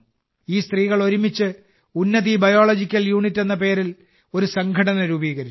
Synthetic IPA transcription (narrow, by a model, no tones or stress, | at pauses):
iːst̪riːɣɐɭo̞ɾumit͡ɕːɨ | unːɐðibɐjo̞ːɭɐd͡ʑikʲːɐljuːɳitːe̞nːɐp̬e̞ːɾil | o̞ɾusɐŋɡʱɐɽɐnɐɾuːbiːɣɐɾit͡ɕː